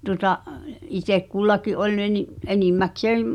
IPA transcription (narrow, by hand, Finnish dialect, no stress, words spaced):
tuŏtɑʔ itek kulːɑkiʔ ʔolʲ ne ni enimːækseːm